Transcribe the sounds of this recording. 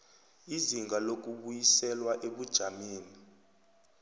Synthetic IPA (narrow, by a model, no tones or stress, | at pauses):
iziŋɡʱalok̬ʼuɓujisɛlwaʔeɓud̥ʒ̥ʱameːni